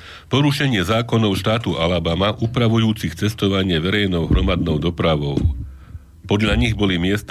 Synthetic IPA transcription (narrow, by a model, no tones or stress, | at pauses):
pɔɾuʃɛɲɪɛzaːkɔnɔʊʃt̪aːt̪uʔalabamaʔuːpɾaʋujuːt͡sixt͡sɛst̪ɔʋaɲɪɛʋɛɾɛjnɔʊɦɾɔmad̪nɔʊd̪ɔpɾaʋɔʊ | pɔd̪ʎaɲiɣbɔlimɪɛst̪